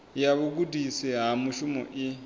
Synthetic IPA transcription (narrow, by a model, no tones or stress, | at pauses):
jaβuɡudisiɦamuʃumɔ̰ʔi